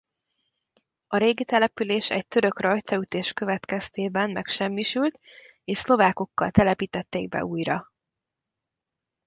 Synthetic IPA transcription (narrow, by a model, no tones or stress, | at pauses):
ɒɾeːɡit̪ɛlɛpyleːʃɛ̰c̚t̪ø̞ɾø̞krɒjt̪sɒyt̪eːʃkø̞vɛt̪kɛst̪eːbɛnmɛkʃɛmːiʃylt̪ | eːʃslo̞vaːko̞kːɒ̰lt̪ɛlɛpiːt̪ɛt̪ːeːɡ̚bɛ̰uːjrɒ